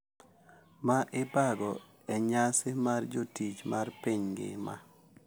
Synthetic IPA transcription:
maʔɪpaɡɔ | ɛɲasɪmard͡ʒotit͡ʃmarpiɲɡɪ̰ma̰

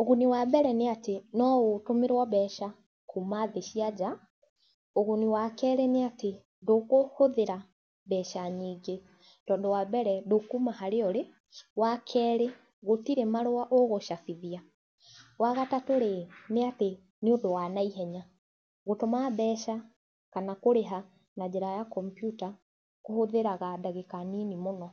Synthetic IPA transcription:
oɣuniwabɛɾɛneatenɔɣotomeɾwɔβɛʃa | kumaðeʃiad͡ʒa | oɣuniwakɛːɾeneate | dokohoðeɾa | βɛːʃaɲiːɡe | d̥ɔːndɔwaβɛɾɛdokumahaɾeɔɾe | wakʰɛːɾe | ɣotiɾemaɾoaʔoɣoʃafiðia | waɣatatoɾeneate | neondowanaiɦɛɲa | ɣotomaðɛːʃa | kanakoɾeɦa | nad͡ʑɛɾajakɔmpjuta | kohoðeɾaɣadaɣekaninimonɔ

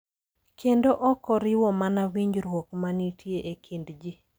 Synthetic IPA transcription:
kʰendoʔɔkɔɾɪwɔmanawiɲd͡ʒɾwɔkmanitjeʔekʰindd͡ʒi

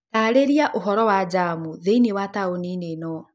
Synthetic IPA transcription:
naːɾeɾiaʔoɦɔɾɔwad͡ʒamuðeinewataoninenɔ

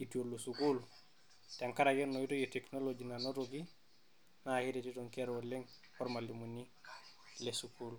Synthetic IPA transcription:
itiolːosukul | teaŋkaɾakonːoitojeteknolod͡ʒinanoɾoɡi | nahiɾetitoŋkeɾolːeŋ | oɾmalimunːi | lesukul

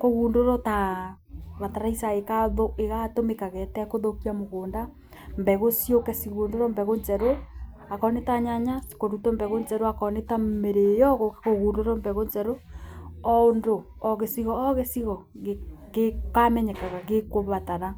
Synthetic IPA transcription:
koɣuːndoɾɔta | βataɾaisaekaðoeɣatomekaɣɛtɛkoðokiamoɣoːnda | mbɛɣosiokɛsiɣondoɾɔmbɛɣond͡ʒɛɾo | akɔnetaɲaɲasi̥koɾutɔmbɛɣond͡ʒɛɾoakɔnetameɾejɔɣokekoɣuːndoɾɔmbɛɣond͡ʒɛɾoɔondoːɣesiɣɔːɣesiɣɔɣeɡekamɛɲɛkaɣaɣekoβataɾa

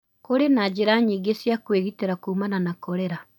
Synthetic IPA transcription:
koɾenad͡ʑeɾaɲiɡesjakweɣiteɾakuːmananakoɾɛɾa

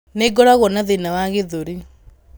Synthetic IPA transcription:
neɡɔɾaɣɔnaðenawaɣeðoɾi

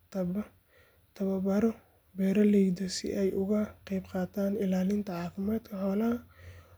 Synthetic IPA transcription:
t̪ʰɐb | t̪ʰɐβɐbɐɾɔ | bɛːɾɐlɛjd̪ɔsɪ̰ʔɛjʊɣɐqɛjbqɑːt̪ʰaːnɪlaːlɪnt̪ʰɐʕɑːfɪmaːd̪kʰɐħɔːlɐɐ

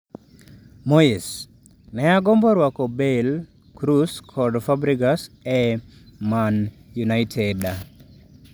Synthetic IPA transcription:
mois | nɛaɡɔmbɔɾwakɔbel | kɾuskʰɔdfabɾikasɛ | man | junaɪtʰɛda

